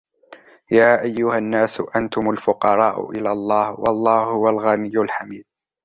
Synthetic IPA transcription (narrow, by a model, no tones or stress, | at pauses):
jaːʔajːʊhanːaːsʊʔant̪ʊmalfʊqɑɾˤɑːʔʊ̰ʔɪ̰lalˤːɑːhwɑ̰lˤːɑːhhʊwalɣanɪjːʊlħamiːd̪̚